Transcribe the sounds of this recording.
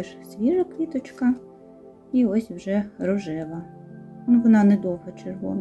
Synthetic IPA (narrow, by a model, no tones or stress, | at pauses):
ɛʃsʲʋʲiʒɐklʲit̪ɔt͡ʃkɐ | iɔsʲwʒɛɾɔʒɪʋˠɐ | uʋɔnɑnɛd̪ɔwɦɐt͡ʃerʋɔ̰n